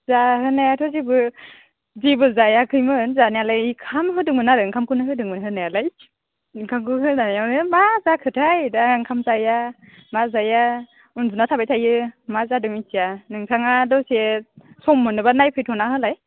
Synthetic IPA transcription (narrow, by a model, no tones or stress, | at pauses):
zahɯnajatʰɔzibɯ | zibɯzajakʰɯjmɯnzanajalajikʰamɦɯdɯŋmɯnaɾɯŋkʰamkunɯɦɯdɯŋmɯnɦɯnajalaj | kʰaŋɡuɦɯnanajawnɯmazakʰɯtʰajdaŋkʰamzaja | mazaja | unzunatʰabajtʰajɯmazadɯŋitijanɯŋtʰaŋadɔsesɔmːɯnɯbanajpʰɯjtʰɔnahɯlaj